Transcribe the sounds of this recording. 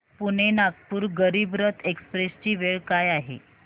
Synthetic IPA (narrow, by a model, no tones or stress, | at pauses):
puɳ̤enakpuːɾɡəɾiːbɾət̪ʰekspɾest͡ɕiːʋeɭkajaɦḛ